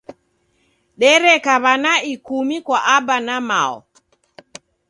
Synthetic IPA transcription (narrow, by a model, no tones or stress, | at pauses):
ɗɛɾɛkaβanaikumikwaʔabanama̰ɔ̰